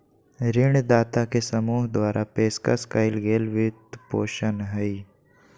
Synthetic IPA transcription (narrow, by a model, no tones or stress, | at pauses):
ɾɪɳd̪aːt̪akesəmuːɦd̪waːɾʔapeːska̰skaːɪlɡeːlʋɪt̪poːʃənɦɛi